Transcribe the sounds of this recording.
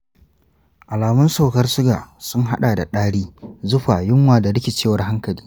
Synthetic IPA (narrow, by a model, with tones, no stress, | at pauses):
ʔa˨laː˨mʊ˦nsa˦˨wkɐ˦rsʊ˦ɡaː˨sʊ˦ŋɦa̰˦ɗaː˨da̰˨ɗaː˦ɽiː˦zʊ˦ɸaː˨jʊ˦mwaː˨da˨ɽɪ˦kʲɪ˨t͡ʃeː˦˨wɐ˨˦rɦa˦ŋkɐ˨liː˦